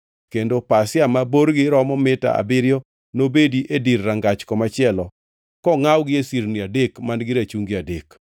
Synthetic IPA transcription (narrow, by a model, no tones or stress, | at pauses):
kendopasɪamaboɾɡɪɾɔmɔmɪta̰a̰bɪɾjɔ | nobediʔedirːaŋɡat͡ʃkɔmat͡ʃɪɛlɔ | kɔŋawɡɪesiɾniadekmanɡɪɾat͡ʃuŋɡiadek